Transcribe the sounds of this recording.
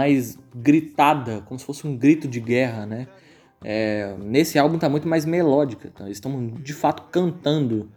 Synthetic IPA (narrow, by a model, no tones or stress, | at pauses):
ajzɡɾit̪ad̪ɐkõmʊsɪ̥fosɪũɡɾit̪ʊd͡ʒɪɡɛɦɐnɛ | ɛnesɪawbũt̪amũj̃t̪ʊmajzmelɔd͡ʒɪkɐt̪ɐ̰̃ɪst̪ɐ̃mʊzd͡ʒɪfat̪ʊ̥kɐ̃nt̪ɐ̃nd̪ʊ